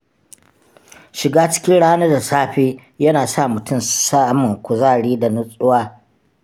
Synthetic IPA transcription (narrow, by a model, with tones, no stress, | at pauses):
ʃɪ˨ɡaː˦t͡ʃɪ̥˦kʲɪ˦nɽaː˦naː˦da˨saː˦ɸeː˦ | jɐ˦naː˨sa˦˨mʊ˨tʊ˦˨msa˦ʔmːʊ˨ŋkʷʊ˨zaː˦˨ɽiː˦da˨nʊ˦sʼʊ˦waː˦